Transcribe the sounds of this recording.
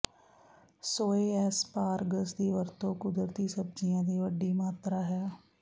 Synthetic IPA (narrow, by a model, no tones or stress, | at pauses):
soːeːɛːspaːɾɡəsd̪iːʋəɾt̪õːkʊd̪ɾt̪iːsəb̚d͡ʒijãːd̪iːʋəɖːiːmaːt̪ɾaːɦɛː